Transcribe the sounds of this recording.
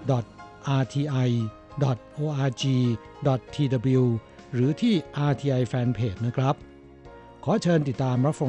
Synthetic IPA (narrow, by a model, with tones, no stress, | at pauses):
dɔ˨˩t̪̚ʔaː˧t̪ʰiː˧ʔa˧j | dɔ˨˩t̪̚ʔoː˧ʔaː˧t͡ɕiː˧ | dɔ˨˩t̪ʰːiː˧da˧bi˧w | ɾɯː˩˦t̪ʰiː˥˩ʔaː˧t̪ʰiː˧ʔa˧jfɛː˧npʰeː˨˩t̪̚na˦˥˩kʰɾa˦˥p̚ | kʰɔː˩˦t͡ɕʰɤː˧nt̪i˨˩t̪ːaː˧mɾa˦˥p̚fa˧